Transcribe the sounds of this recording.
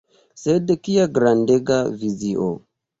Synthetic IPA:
sedkiaɡɾandeɡaviziʔo̰

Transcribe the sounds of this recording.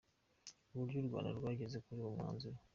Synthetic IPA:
uɾuɾɟuɾɡwa̰ːndaɾɡwaːɟe̞zekuɾiβomŋa̰ːnziɾa

